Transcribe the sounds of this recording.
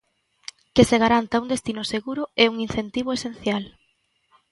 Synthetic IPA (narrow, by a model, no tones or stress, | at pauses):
keseɣ̞aɾant̪aund̪est̪inʊseɣuɾʊeuŋin̟θent̪iβ̞oesen̟θjal